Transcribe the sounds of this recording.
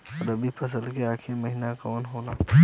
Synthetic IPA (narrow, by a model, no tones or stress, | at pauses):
ɔɾɐbʱipʰɐs̬əlkeaːkʰemɐɦinakɔːnɦoːlaː